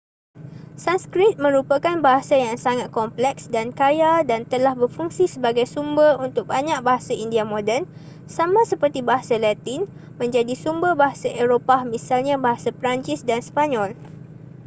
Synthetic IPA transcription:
sanskɾit̪̚mə̃ɾupakanbaɦasajaŋsaŋat̪̚kɔmplɛksdankajadant̪əlahbərfuŋsisəbaɡajsumbərunt̪ʊk̚baɲãk̚baɦasaindiamõdɛrn | samãsəpərt̪ibaɦasalat̪in | mə̃ɲd͡ʒadisumbərbaɦasaʔeɾopamĩsalɲãbaɦasapɾaɲt͡ʃisdanspaɲɔl

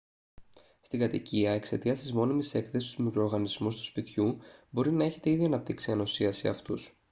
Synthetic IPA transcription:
st̪iɡɐt̪iciɐe̞kse̞t̪iɐst̪izmo̞nimese̞kθesist̪uzmikɾoɾɣɐnizmust̪u̥spit̪çubo̞ɾinɐe̞çe̞t̪e̞iðiɐnɐp̚t̪iksiɐnosiɐsḭɐ̰ft̪us

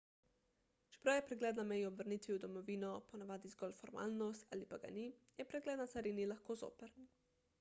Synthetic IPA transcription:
t͡ʃɛ̥pɾawjɛpɾɛɡlɛːd̪namɛjɔbʋəɾniːt̪ʋiud̪ɔmɔʋiːnɔpɔnaʋaːd̪izɡɔlfɔɾma̰ːlnɔst̪a̰ːlipaɡa̰nijɛpɾɛɡlɛːd̪nasaɾinilaxkoːzo̰ːpɛɾ

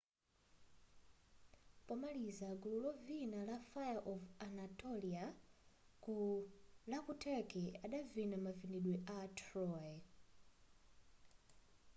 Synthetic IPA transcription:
pɔmalizaɡululɔvinalafajaʔɔvanatɔlia | kulakutʰɛkɛaɗavinamaviniɗwɛʔatʰɾɔɛ

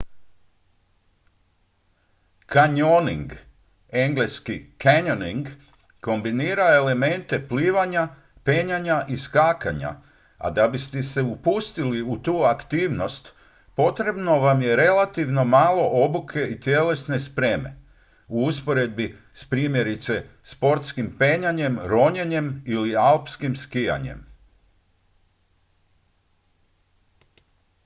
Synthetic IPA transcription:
kaɲonḭŋɡ | e̞ŋɡle̞skikʰaɲoniŋɡ | ko̞mbiniːɾae̞le̞me̞nt̪e̞pliːʋaɲa | pe̞ɲaɲaʔiskaːkaɲa̰ | a̰d̪abist̪ese̞upust̪iliut̪uːakt̪iːʋno̞st̪ | po̞t̪ɾe̞bno̞ʋamje̞ɾe̞lat̪iʋno̞maːlo̞ʔo̞bukʰe̞it̪je̞le̞sne̞spɾe̞ːme̞̰ | uuspo̞ɾe̞d̪̚bi | spɾiːmje̞ɾit̪se̞spo̞ɾt̪skimpeːɲaɲe̞mɾo̞ɲeɲe̞milialpskimskija̰ɲe̞̰m

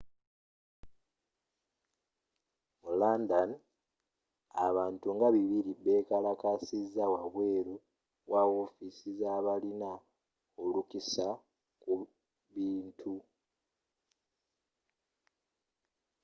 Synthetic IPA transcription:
mulaːndan | a̰βaːntuŋɡaβiβiɾibe̞ːkalakasizawaβwe̞ːɾu | wawo̞fisizaβalina | o̞lukisa | ku | βiːntʰu

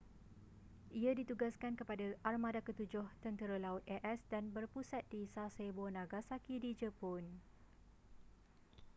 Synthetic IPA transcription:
ʔiadit̪uɡaskankəpadaʔarmãdakət̪ud͡ʒʊht̪ənt̪əɾalaʊt̪̚ɛʔɛsdanbərpusat̪̚disasebonãɡasakidid͡ʒəpɔn

